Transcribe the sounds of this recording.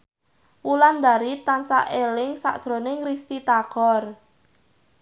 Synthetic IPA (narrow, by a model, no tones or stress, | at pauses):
wuland̪aɾit̪ansa̰ʔelɪŋsa̰ʔsɾonɪŋrist̪it̪aɡ̥ɔr